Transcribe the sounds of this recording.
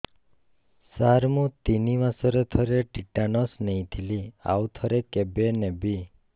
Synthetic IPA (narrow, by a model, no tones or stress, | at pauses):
saɾmũt̪iniʋasɔɾet̪ʰɔɾeʈiʈanɔsneĩt̪ʰilia̰wt̪ʰɔɾekebenebi